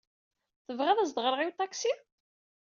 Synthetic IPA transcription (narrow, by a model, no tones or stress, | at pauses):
θəvʁæðæz̬d̪ʁəɾəʁiwt̪ˤɑksi